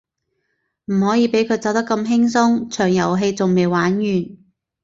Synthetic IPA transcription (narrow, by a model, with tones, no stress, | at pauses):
m̩˨˩hɔː˨˥jiː˨˧pe˨˥jkʰɵ˨˧t͡sɐ˨˧wt̪ɐ˥kːɐ˧mɦɪ˥ŋsʊ˥ŋt͡ʃʰœː˨˩ŋjɐ˨˩wɦe˧jt͡sʊ˨ŋme˨jwaː˨˥njyː˨˩n